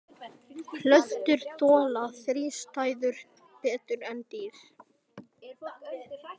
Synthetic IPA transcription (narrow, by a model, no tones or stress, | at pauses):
kʰlœht̪ʏɾ̥t̪ɔːlaθɾiːst̪aːjðʏɾ̥ | pɛːt̪ʏɾɛnt̪iːɾ̥